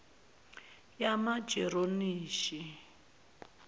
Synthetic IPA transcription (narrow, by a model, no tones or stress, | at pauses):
jamḁd͡ʒɛɾoniːʃi